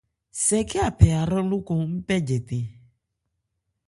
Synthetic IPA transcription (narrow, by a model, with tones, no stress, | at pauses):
sɛ˨kɛ˦a˨pʰɛ˨a˨ɾɛ˦lu˦ko˦ŋ̩˦pɛ˦d͡ʒɛ˨t̪e˨